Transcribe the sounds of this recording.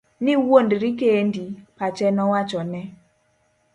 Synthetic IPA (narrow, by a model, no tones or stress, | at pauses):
niwondiɾikendipat͡ʃɛnɔwat͡ʃɔnɛ